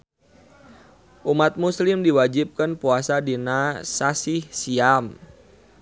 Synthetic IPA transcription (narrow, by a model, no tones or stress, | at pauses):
ʔumat̪̚muslɪmdiwad͡ʒip̚kənpuasadinasasɪhsiam